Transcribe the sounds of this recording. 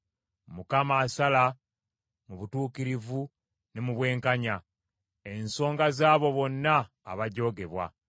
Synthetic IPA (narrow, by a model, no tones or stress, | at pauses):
mukamaːsala | muβutuːkiɾivu | nemuβwe̞ːŋkaɲa | e̞nso̞ːŋɡazaːβo̞βo̞nːaː | βaɟo̞ːɡe̞βwa̰